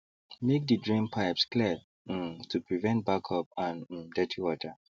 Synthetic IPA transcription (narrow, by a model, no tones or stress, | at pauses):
mek̚dədɹĩmpʰaɪpskliə | tʰupʰɹivɛ̃nt̚bakʰɔp̚ãn̩dɛtʰiwɔtʰə